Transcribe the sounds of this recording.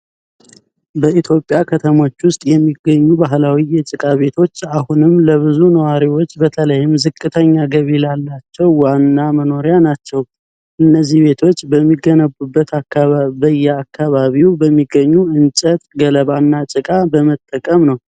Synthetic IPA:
bəit̪ʰjo̞pʼjakʰət̪ʰəmo̞t͡ʃːwʊst̪ʼjɛmːiɡːəɲːubaɦlawijɛt͡ʃʼɨkʼaβe̞t̪ʰo̞t͡ʃːahunɨmləβɨzunəwaɾiwo̞t͡ʃːbət̪ʰələjɪmzɨkʼːɨt̪ʰəɲːaɡəβilalːat͡ʃːɛwːanːaməno̞ɾjanat͡ʃːɛw | ʔɨnːəzːihβe̞t̪ʰo̞t͡ʃːbəmːiɡːənəbubːət̪ʰaabəjɛakːaβaβiwbəmːiɡːəɲːuʔɨnt͡ʃʼət̪ʼɡələβanːat͡ʃʼɨkʼabəmət̪ʼːəkʼəmnəw

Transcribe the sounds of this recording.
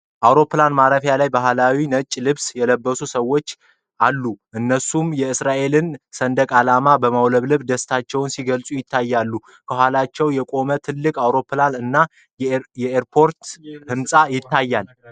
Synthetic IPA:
ʔawɾo̞pːlanmaɾəfjalajbaɦlawinət͡ʃʼːlɨβsjɛləbːəsusəwːo̞t͡ʃː | ʔalːuʔɨnːəsumjɛɨsɾaʔe̞lɨnsənd̪əkʼalamabəmawləβlɨβd̪əst̪ʰat͡ʃːɛwʊnsiɡəlsʼujɪt̪ʰːajːalːu | kʰəɦʷalat͡ʃːɛwjɛkʼo̞mət̪ʰɨlːɨkʼawɾo̞planɨnːa | jɛeɾpʰo̞ɾt̪hɨmsʼajɪt̪ʰːajːal

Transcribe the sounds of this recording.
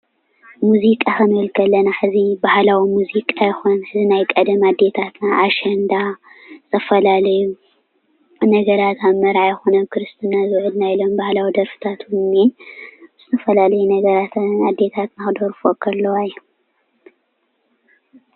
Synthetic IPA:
muzikʼakɨnɨɨlkʰɐlːɐnaħɨzibahlawimuzikʼajɛxonħɨzinajkʼɐd̪ɐmad̪ːe̞t̪ʰat̪naʔːʃɐnd̪azɨ̥t̪ʰɐfɐlalɐju | nɐɡɐɾat̪aβmɐɾʕajxonɐkʰɨɾɨst̪ʰɨnːazɨwʕɨd̪najilo̞mbahlawid̪ɐɾfɨ̥t̪ʰat̪wunːez̥ɨt̪ʰɐfɐlalɐjunɐɡɐɾat̪ad̪ːe̞t̪ʰat̪naxɨd̪oɾfokʰɐlːɐwajːɛ

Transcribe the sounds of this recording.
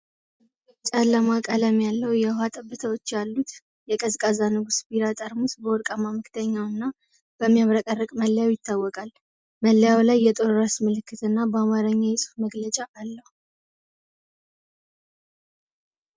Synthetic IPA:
t͡ʃʼalːəmakʼələmjalːəwjɛhhat̪ʼəbːɨt̪ʰəwo̞t͡ʃːjalːut̪ | jɛkʼəzkʼazanɨɡusbiɾat̪ʼəɾmusbəwɔɾkʼamaməkt̪ʰəɲːawɨnːa | b̥əmːijaβɾəkʼərːəkʼməlːəjawjɪt̪ʰːawːɔkʼal | məlːəjawlajːɛt̪ʼoɾɨɾasmɨlɨkːɨt̪ʰɨnːabəamaɾəɲːajɪsʼu̥fməɡlət͡ʃʼaʔalːəhu

